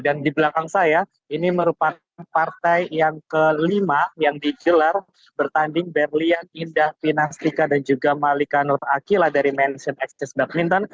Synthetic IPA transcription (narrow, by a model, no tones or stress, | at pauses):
dandibəlakaŋsaja | iniməɾupakanpart̪ajjaŋkəlimajaŋdiɡəlar | bərt̪andɪŋbɛrlianindahfinast̪ikadand͡ʒuɡamalikanʊrakiladaɾimɛnsɔnɛk̚st̪ɛsdak̚mint̪ɔn